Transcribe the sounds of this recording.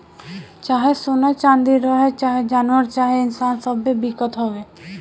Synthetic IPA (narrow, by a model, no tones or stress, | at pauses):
t͡ʃaɦesonat͡ʃand̪iɾɔɦet͡ʃaɦed͡ʒanaɾt͡ʃaɦeɪnsansɔbebikɔt̪ɦɔbe